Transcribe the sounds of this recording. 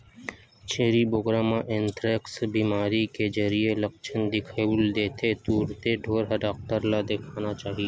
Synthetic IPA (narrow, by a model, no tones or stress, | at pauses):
t͡ʃʰeːɾiboɡɾaːmãʔẽnt̪ɾeːksbiːmaːɾikezɐɾielɐkt͡ʃʰənd̪ɪkʰauld̪eːt̪ʰet̪uːɾt̪eɖʱoːɾɦəɖaːk̚ʈəɾlad̪eːkʰaːnat͡ʃaːɦie